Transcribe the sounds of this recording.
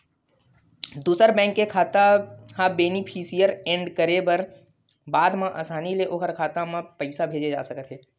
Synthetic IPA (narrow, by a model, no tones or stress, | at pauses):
d̪uːsəɾbɛ̃ːŋkːekʰaːt̪ahãbeːnipʰiːsijəɾẽːɳɖkəɾebəɾ | baːd̪mãʔa̰ːsaːnileʔoːkəɾkʰaːt̪ãmãpəɪsabʱeːd͡ʒed͡ʒa̰ːsɐkət̪ɦeː